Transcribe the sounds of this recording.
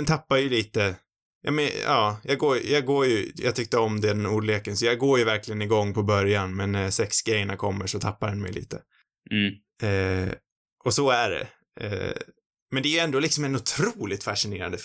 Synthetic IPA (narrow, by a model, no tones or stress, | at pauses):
nt̪ʰapːaɾjəliːt̪ə | jʔɑ̰mɛɑ̰ːjɑːɡoːjjɑːɡɡoːjɵjɑ̰ːt̪ʰʏk̚t̪əɔmd̪ɛd̪ɛnuːɖleːkənsɔjɑːɡɡoːɾjɵvæɾklɪɡənɪɡɔŋːpʰɔbœɾjanmɛnːæɾsɛksɡɾɛjːəɳakʰɔmːəʂɔt̪ʰapːaɾd̪ɛnmɛ̰jlḭːt̪ə | ɛ | ʔɔsɔæɖɛ̰ | ɛ̰ | mɛnd̪ɛːjɵɛnd̪oːlɪksɔmɛnʊt̪ʰɾuːlɪt̪faʂɪnḛːɾa̰nd̪ə